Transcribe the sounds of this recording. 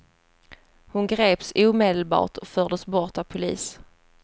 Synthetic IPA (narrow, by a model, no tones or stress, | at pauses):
hʊnɡɾeːpsuːmeːd̪əlbɑ̰ːʈɔfœːʁɖəsbɔʁʈ̪avpʰʊlḭːs